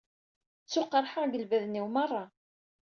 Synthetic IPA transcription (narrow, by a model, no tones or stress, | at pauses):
t͡sːʊqːəɾˤħaʁɡəlvæðənːiwmɑrˤːɑ